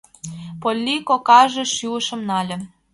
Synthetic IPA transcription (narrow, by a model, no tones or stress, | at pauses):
polʲːikokɑʒĕʃyəʃə̆mnɑlʲə̆